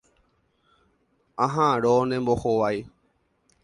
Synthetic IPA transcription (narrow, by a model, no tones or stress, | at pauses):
ãɦãɾonẽmboxoʋaj